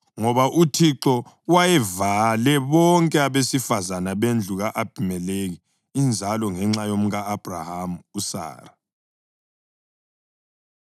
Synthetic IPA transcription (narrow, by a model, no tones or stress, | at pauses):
ŋɔβaʔutʰiǁɔ | wajɛvalɛβɔŋkʼɛaβesifazanaβend͡ɮʱuɣaʔab̥ʱimɛleɣi | ind͡ʒʱalɔŋɛŋ͡ǁajom̩ɣaːb̥ʱra̰hamusa̰ːra